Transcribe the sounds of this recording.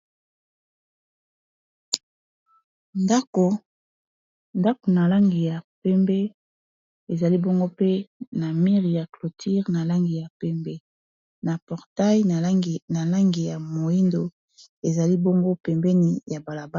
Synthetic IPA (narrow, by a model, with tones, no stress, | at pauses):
nda˦ko˨ | nda˦ko˨na˨la˦ŋɡi˨ja˨pɛ˦mbɛ˦ | e˨za˨li˦bo˦ŋɡo˦pe˦na˨mi˦ʁi˨ja˨klo˨tʰi˦ʁna˨la˦ŋɡi˨ja˨pɛ˦mbɛ˦ | na˨pɔ˨ʁta˦ji˦˨na˨la˦ŋɡi˨ja˨mo˨i˦ndo˨ | e˨za˨li˦bo˦ŋɡo˦pɛ˨mbɛ˦ni˨ja˨ba˨la˨ba˦